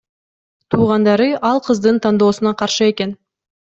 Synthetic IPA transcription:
t̪ʰuːʁɑnd̪ɑɾɯʔɑlˠqʰɯzd̪ɯnt̪ʰɑnd̪o̞ːsunɑqʰɑɾʃɯe̞ke̞n

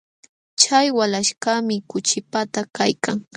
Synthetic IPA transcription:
t͡ʃajwalaʃkamɪkʊt͡ʃɪpat̪akajkaŋ

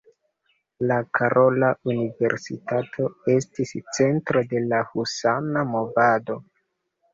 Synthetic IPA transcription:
lakʰaɾʔo̞launive̞̰ɾsḭtatʰo̞e̞stist͡se̞ntɾo̞de̞lahusanamo̞vado̞

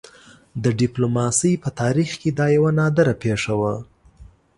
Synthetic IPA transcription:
d̪əɖɪplomɑsəjpət̪ɑɾixked̪ɑjawanɑd̪əɾapeʂawa

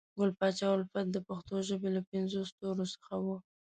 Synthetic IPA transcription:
ɡʊlpɑt͡ʃɑwalfat̪̚d̪əpaxt̪oʒəbelapɪnzost̪oɾosə̥xawu

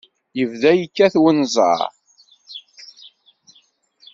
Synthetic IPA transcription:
jəvðæjəkːæθwənzˤɑ̰ɾ

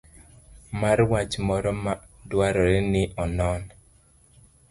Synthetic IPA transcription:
marwat͡ʃmɔɾɔmadwaɾɔɾɛnɪʔɔnɔn

